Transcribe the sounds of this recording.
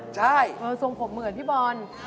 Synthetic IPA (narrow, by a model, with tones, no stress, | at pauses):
t͡ɕʰa˥˩jʔɤː˧so˨˧ŋpʰo˩˦mːɯ˨˩˦t̪ʰiː˥˩bɔː˧n